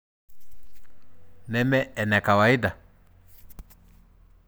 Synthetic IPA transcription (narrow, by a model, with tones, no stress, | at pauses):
nɛ˦mɛ˦ɛ˨nɛ˨ka˨wa˨i˦da˨